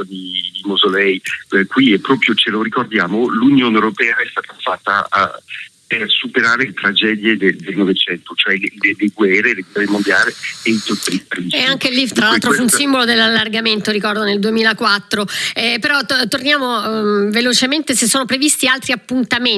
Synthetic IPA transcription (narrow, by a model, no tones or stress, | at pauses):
d̪id̪imozolɛjkwiɛpːɾɔːpɾjot͡ʃeloɾikord̪jaːmolunjoːneewɾopɛːaɛst̪aːt̪afat̪ːa̰ | persupeɾaːɾelet̪ɾad͡ʒɛːd̪jed̪ed̪elnovet͡ʃɛnt̪ot͡ʃoɛleleleɡwɛrːeleɡwɛrːemond̪jaːleeit̪ot̪ːɾipːlit͡ʃɛaŋkelːit̪ɾalːalt̪ɾofuunssimbolod̪elːalːarɡament̪oɾikɔrd̪oneld̪uemiːlakwat̪ːɾoɛpeɾɔt̪ːornjaːmovelot͡ʃement̪esesːoːnopɾevist̪ialt̪ɾiapːunt̪ame